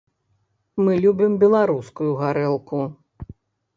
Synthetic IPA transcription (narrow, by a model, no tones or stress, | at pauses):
mɨlʲubʲimbʲɛlˠaɾuskujuɣaɾɛlˠku